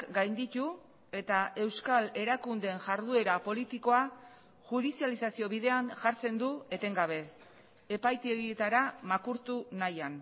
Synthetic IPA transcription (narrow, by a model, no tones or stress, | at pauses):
ɡajnd̪it̪u | e̞t̪aʔe̞wskale̞ɾakund̪e̞nʝaɾðue̞ɾapo̞lit̪iko̞a | ʝuð̞isialisasio̞βiðe̞anʝaɾt͡se̞nd̪ue̞t̪e̞ŋɡaβ̞e̞ː | pajt̪eɣiet̪aɾamakuɾt̪unajan